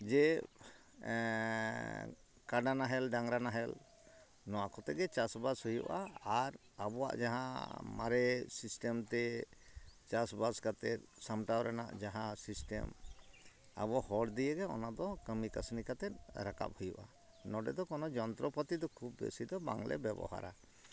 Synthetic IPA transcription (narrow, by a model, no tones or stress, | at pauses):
d͡ʒɛ | kaɖanaɦɛlɖaŋɾanaɦɛl | nɔwakɔt̪ɛɡɛt͡ʃasbashujṵʔa̰aɾ | abɔwa̰ʔd͡ʒaɦã̰ma̰ɾɛsisʈemt̪ɛ | t͡ʃasbaskat̪ɛt̪̚samʈawɾʔɛna̰ʔd͡ʒaɦãsisʈɛ̰m | a̰bɔhɔɽd̪ijɛɡɛɔnad̪ɔkəmikasnikat̪ɛt̪̚ɾaka̰p̚hujuʔa̰ | nɔɖɛd̪ɔkɔnɔd͡ʒɔnt̪ɾɔpət̪id̪ɔkʰub̚ːḛsid̪ɔba̰ŋlʔɛ̰bɛbɔ̰ha̰ɾa